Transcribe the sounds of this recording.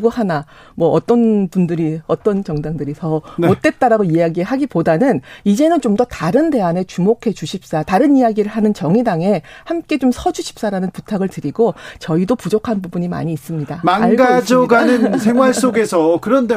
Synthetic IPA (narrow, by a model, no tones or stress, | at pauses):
ɡohana | mwʌʔʌt͈ʌnpundɯɾiʌt͈ʌnt͡ɕʌŋdaŋdɯɾisʰʌnmot̚t͈e̞t̚t͈aɾaɡoiaɡieɭɦaɡipodanɯnid͡ʑe̞nɯnt͡ɕomdʌtaɾɯnde̞ane̞t͡ɕumokʰe̞t͡ɕuɕʰip̚s͈ataɾɯnijaɡiɾɯɭɦanɯnt͡ɕʌŋidaŋe̞hamk͈e̞t͡ɕomsʰʌd͡ʑuɕʰi̥p̚s͈aɾanɯnputʰaɡɯɭtɯɾiɡot͡ɕʌidopud͡ʑokʰanbubuɲima̰ɲiːs͈ɯmɲidamaŋaɭɡad͡ʑoɡanɯnsʰeŋwaɭs͈oɡe̞sʰʌkɯɾʌnde